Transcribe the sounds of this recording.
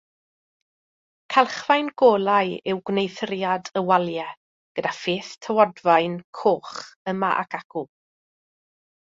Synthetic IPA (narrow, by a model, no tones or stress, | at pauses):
kʰalˠχvajnɡ̥oːlˠajɪwɡwnejθəɾjadəwalˠjɛ | ɡ̥ədafeːθtʰəwɔdvajnkʰoːχəma̰ʔa̰kʰaɡ̥ʊlˠ